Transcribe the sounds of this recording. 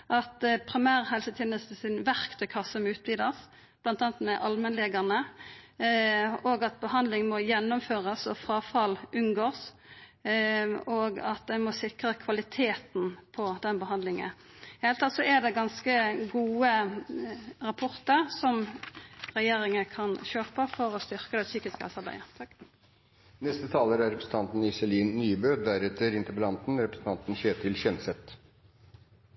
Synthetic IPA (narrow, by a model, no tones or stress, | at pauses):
ʔɑt̪pʰɾɪmæːʁɦɛlsət̪ʰjɛːnəst̪əsɪnʋæʁkt̪ʰœʏkʰɑsːəmɛʉːt̪̚biːd̪ɑs | b̥lɑnt̪ɑːnət̪mɛʔɑlmənleːɡɑʁnə | oːɡɑt̪̚bəhɑnd̪lɪŋmɔjɛnːɔmføːʁəsɔfɾɑːfɑlʔʉnɡoːs | oɡɑt̪̚d̪ɛnmɔsɪkʁəkʰʋɑlɪt̪ʰeːt̪npʰɔd̪ɛnbəɦɑnd̪lɪŋə̰n | helt̪ʰɑt̪sɔæd̪ɛɡɑnskəɡuːə | ɾɑpʰɔʁt̪əʁsɔm | ɾɛjeːɾɪŋəkʰɑnɕøːpəfɔɾɔst̪ʏʁkəd̪ɛsyːkɪskɑ̰lsɑɾbæ̰ɪə | nɛst̪ət̪ʰɑːləɾæɾɾɛpɾəsn̩t̪ʰɑnt̪n̩ɪsɛliːnnyːbøːd̪æɾɛt̪ːəɾɪnt̪əbəlɑnt̪n̩ɾɛpɾəsən̩t̪ɑnt̪n̩çeːt̪ʰɪlçɛnsɛt̪